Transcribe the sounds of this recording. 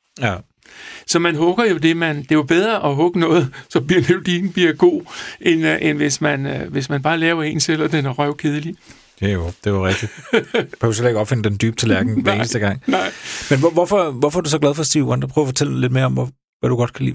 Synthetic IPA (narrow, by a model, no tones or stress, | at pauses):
jæ | sɒ̽mænɦɔ̽ɡ̥ɐjo̝d̥e̝mænd̥e̝ʋɑ̈b̥eð̞ˠʁɐʔɒɦɔ̽ɡ̥ənɔ̽ːð̩ˠsɒ̽b̥iɐd̥ed̥in̩b̥iɐɡ̥o̝̰ːʔenʔenʋe̝smænʋe̝smænb̥ɑ̈ːlɛːʊɐe̝̰ːnsel̰ɒd̥enʁɶʊkʰe̝ð̞ˠli̥ | ejod̥e̝ʋɑʁɛɡ̥d̥i̥kʰæusele̝ɡ̥ɒ̽b̥fe̝nəd̥end̥yːb̥̚t͡sʰe̝læɐɡ̥n̩ʋeːnəsd̥əɡ̥ɑ̈ŋ̰nɑɪ̰menʋɒʋɒfɒʋɒfɒæɐd̥usɒ̽ɡ̥læðˠfɒ̽sd̥iːʊɑnd̥ɐpʰʁœʊɐfɒ̽t͡sʰel̰le̝d̥me̝ɐɒ̽m | ʋæd̥uɡ̥ɒ̽d̥̚kʰælḭː